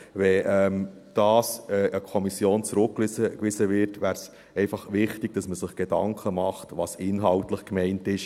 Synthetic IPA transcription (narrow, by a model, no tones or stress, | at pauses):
ʋɛʔɛm | d̥ɑːsɛʔəkʰɔmisjoːnt͡sɾʊkːləkʋɪsəʋɪɾtʋæːɾs | ɛɪfɑχʋɪχtɪɡ̥̚d̥ɑsməsɪχɡ̥edɑ̰ŋkχəmɑχtʋɑsɪnɦɑltləχkmɛɪntɪʃ